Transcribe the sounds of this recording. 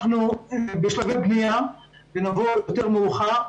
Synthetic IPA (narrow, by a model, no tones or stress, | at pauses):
χnubeʃlavet̚bnija | venavojot̪eʁmeuχa